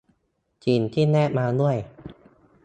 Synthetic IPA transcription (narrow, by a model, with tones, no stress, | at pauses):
t͡ɕiː˧nt̪ʰiː˥˩nɛː˥˩maː˧nu˥˩əj